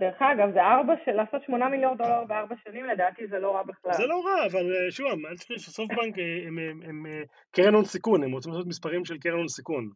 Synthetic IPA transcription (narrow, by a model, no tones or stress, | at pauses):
deʁeχaɡavzeaʁbaʃalaːso̞t̪ʃmo̞namiljond̪o̞laʁbeaʁbaʃanimled̪aːt̪izelo̞ʁabiχlalzelo̞ʁaːvaleʃuvamalt͡si̥χiʃesofbaŋkeemeeme | keʁenonsikunemʁot͡simlasot̪mispaʁimʃelkeʁenonsikun